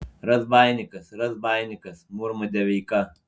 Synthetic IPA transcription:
ɾɐzbaːjnʲɪkɐsɾɐzbaːjnʲɪkɐsmuɾmɐd̪ʲɛʋʲiːkɐ

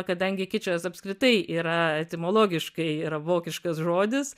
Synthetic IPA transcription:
kɐd̪ɐŋʲɡʲɪkʲɪt͡ʃʲoːsɐpskɾʲɪt̪ɐɪʔiːɾɐɛt̪ʲɪmoːlˠoːɡʲɪʃkɐɪiːɾɐʋoːkʲɪʃkɐsʒoːd̪ʲɪs

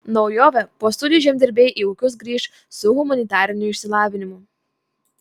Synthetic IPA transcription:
nɔʊjoːʋʲɛpoːst̪ʊd̪ʲɪʒʲɛmʲd̪ʲɪɾʲbʲeːjʔiːʊkʲʊs̬ɡɾʲiːʃ | sʊɦʊmɐnʲɪt̪ɑːɾʲɪnʲʊɪʃʲsʲɪlˠɑːʋʲɪnʲɪmʊ

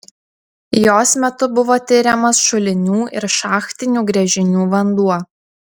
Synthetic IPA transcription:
joːsmʲɛt̪ʊbʊʋoːt̪ʲɪɾʲɛmɐsʃʊlʲɪnʲuːɪ̰ɾʃɑːxt̪ʲɪnʲuːɡɾʲɛʒʲɪnʲuːʋɐnd̪uɔ

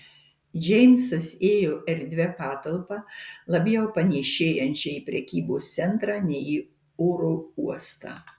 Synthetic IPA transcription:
d͡ʒʲɛɪmʲsɐseːjoːʔɛɾʲd̪ʲʋʲɛpɑːt̪ɐlˠpɑlˠɐbʲjɛʊpɐnʲɛʃʲeːjɛnʲt͡ʃʲɛipʲɾʲɛkʲiːboːst̪sʲɛnt̪ɾɑːnʲɛɪi | oːɾoːuɔst̪ɑ̰ː

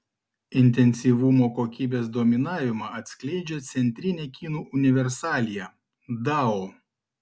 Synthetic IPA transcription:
ɪnʲt̪ʲɛnʲsʲiʋʊmoːkoːkʲiːbʲeːsd̪omʲɪnɑːʋʲɪmɑɐt̪ʲsʲklʲɛɪd͡ʒʲɛt̪sʲɛnʲt̪ʲɾʲɪnʲeːkʲiːnuːʔʊnʲɪʋʲɛɾsɑːlʲijɛ | d̪ɑo

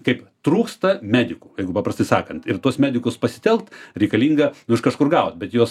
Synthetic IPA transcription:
kɐɪpt̪ɾuːkst̪ɐmʲæːd̪ʲɪkuːjɛɪɡʊpɑːprɐst̪ɐɪsɑ̰ːkɐnt̪ɪrt̪uɔsmʲæːd̪ʲɪkʊspɐsʲɪ̥t̪ʲɛlˠkt̪ɾʲɛɪkɐlʲiːŋɡɐnʊɪʃkɐʃkʊrɡɑːʋot̪bʲɛt̪juɔs

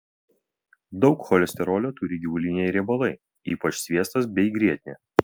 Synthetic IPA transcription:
d̪ɒʊkxɔlʲɛsʲt̪ʲɛɾoːlʲoːt̪ʊɾʲɪɡʲɪʋʊlʲɪnʲɛɪɾʲɛboːlˠɐɪ | iːpɐt͡ʃsʲʋʲiɛst̪ɐsbʲɛɪɡɾʲiɛt̪ʲnʲeː

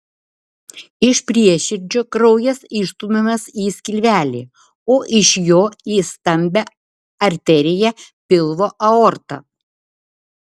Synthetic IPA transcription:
ɪʃpʲɾʲiɛʃʲɪɾʲd͡ʒʲoːkɾɔʊjɛsɪʃt̪uːmʲemɐsiːsʲkʲɪlʲʋʲæːlʲeː | oːʔɪʃjoːiːst̪ɐmʲbʲɛ | ɐɾʲt̪ʲɛɾʲɪjɛpʲɪlˠʋoːʔɐɔːɾt̪ɐ̰

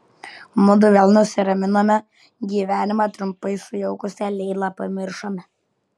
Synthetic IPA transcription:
mʊd̪ʊʋʲɛlˠnʊsʲɪɾɐmʲɪnoːmʲɛ | ɡʲiːʋʲæːnʲɪmɑːt̪ɾʊmpɐɪsʊjɛʊkʊsʲɛlʲɛɪlˠɑpɐmʲɪɾʃoːmʲɛ

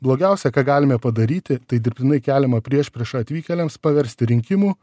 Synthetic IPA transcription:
blˠoːɡʲæˑʊsʲɛkɑːɡɑːlʲɪmʲɛpɐd̪ɐɾʲiːt̪ʲɪt̪ɐɪd̪ʲɪɾʲpʲt̪ʲɪnɐɪkʲæːlʲɛmɐpʲɾʲiɛʃpʲɾʲiɛʃɐɐt̪ʲʋʲiːkʲɛlʲɛmspɐʋʲɛɾʲsʲt̪ʲɪɾʲɪŋʲkʲɪmuː

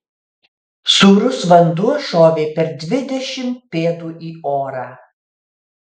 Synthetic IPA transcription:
suːɾʊsʋɐnd̪uɔʃoːʋʲeːpʲɛɾd̪ʲʋʲɪd̪ʲɛʃʲɪm̚pʲeːd̪uːʔiːoːɾɑː

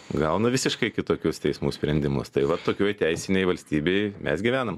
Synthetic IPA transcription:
ɡɐʊnɐʋʲɪsʲɪʃkɐɪkʲɪt̪oːkʲʊst̪ʲɛɪsmuːsʲpʲɾʲɛnʲd̪ʲɪmʊ̰st̪ɐɪʋɐt̪ːoːkʲoːjt̪ʲɛɪsʲɪnʲɛɪʋɐlʲsʲt̪ʲiːbʲeɪmʲɛ̰sɡʲɪʋʲæːnɐm

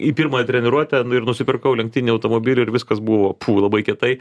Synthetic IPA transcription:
ipʲiɾmɐt̪ʲɾʲɛnʲɪɾuɔt̪ʲɛnʊɪɾnʊsʲɪpʲɪɾkɐʊlʲɛŋk̚t̪ʲɪnʲɪɐʊt̪oːmoːbʲiːlʲʊɪɾʋʲɪskɐsbʊʋoːpʰuːlˠɐbɐɪkʲɛt̪ɐɪ

